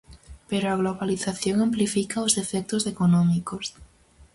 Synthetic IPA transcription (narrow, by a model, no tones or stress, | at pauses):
peɾoaɣ̞loβaliθaθjoŋamplifikaozðefek̚t̪oze̞konõmikos